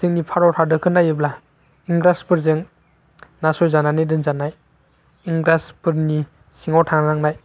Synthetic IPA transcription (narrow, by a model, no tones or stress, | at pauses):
sɯŋnipʰaɾɔtʰaɾdɯɾkʰɯnːajɯbla | iŋɡɾaspɯɾzɯŋ | nasɔjzananedɯnzanaj | iŋɡɾaspɯɾni | siŋɔwtʰaŋaɾaŋnaj